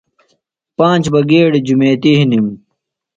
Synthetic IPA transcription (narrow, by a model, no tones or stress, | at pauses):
pãːnt͡ɕbɐɡeːɽid͡ʑumeːt̪iɦinim